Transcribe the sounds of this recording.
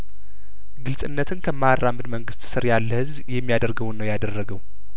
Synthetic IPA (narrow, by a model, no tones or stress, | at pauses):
ɡɨlsʼɨnːət̪ʰɨnkʰəmːarːamːɨd̪məŋɡɨst̪sɨɾjalːəhɨzβjɛmːijad̪əɾɡəwnːəwjad̪ərːəɡəw